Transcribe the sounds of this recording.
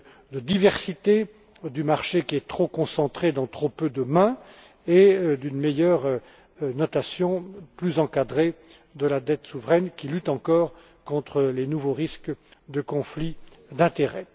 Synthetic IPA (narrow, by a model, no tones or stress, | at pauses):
d̪əd̪ivɛʁsit̪e | d̪ymaʁʃekʲiɛt̪χokɔ̃sɑ̃t̪χed̪ɑ̃t̪χopød̪əmɛ̃ | ed̪ynmejœʁ | nɔt̪asjɔ̃plyzɑ̃kad̪ʁe | d̪əlad̪ɛt̪suvʁɛnkʲilyt̪ɑ̃kɔːʁ | kɔ̃t̪χəlenuvoʁiskd̪əkɔ̃flid̪ɛ̃t̪eʁɛ